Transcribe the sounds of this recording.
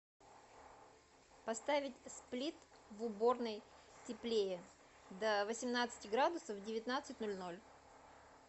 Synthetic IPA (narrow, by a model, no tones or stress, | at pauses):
pɐst̪avʲɪtʲsplʲit̪vʊbo̞rnəjtʲɪplʲejɪ | d̪əvəsʲɪmnat̪sɨ̥tʲɪɡɾad̪ʊsəvdʲɪvʲɪt̪nat̪sɨt̚ʲnolʲno̞lʲ